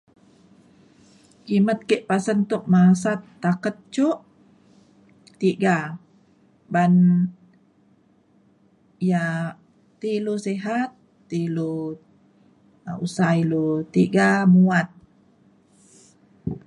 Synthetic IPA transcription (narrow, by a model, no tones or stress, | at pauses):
kimət̪̚keʔpasənt̪uʔ̚masat̪ːakət̪̚t͡ʃuʔ | t̪iɡa | ban | ja | t̪iluseɦat̪ː | ilu | usailut̪iɡamuat̪̚